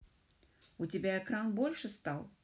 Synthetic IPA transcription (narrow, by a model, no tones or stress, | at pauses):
utʲɪbʲaɛkɾanbolʲʂɨst̪alˠ